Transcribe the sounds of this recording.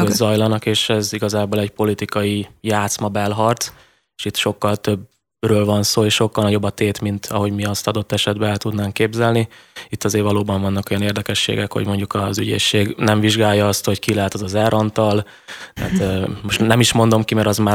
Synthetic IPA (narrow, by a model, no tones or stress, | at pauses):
ozɒjlɒnɒkeːʃɛziɡɒzaːbolɛcpo̞lit̪ikɒijaːt̪smɒbɛlɦɒrt̪ | eʃit̪ʃo̞kːɒlt̪ø̞b | røːlvɒnsoːeːʃʃo̞kːɒlnɒɟo̞bːɒt̪eːt̪mint̪ʰɒɦo̞ɟmiɒst̪ɒd̪o̞t̪ːɛʃɛd̪̚bɛɛlt̪ud̪naːŋkːeːbzɛlniit̪ːɒzeːrvɒloːbɒɱvɒnːɒko̞jɒneːrd̪ɛkɛʃːḛːɡɛkho̞̰ɟmo̞ɲɟukɒzyɟḛːʃːeːɡnɛɱviʒɡaːjːɒɒst̪ho̞ckilaːt̪ozɒzɛɾʔɒnt̪ɒl | t̪ɛ̰ːt̪mo̞ʃt̪nɛmiʃmo̞nd̪o̞mkimɛɾɒzmaː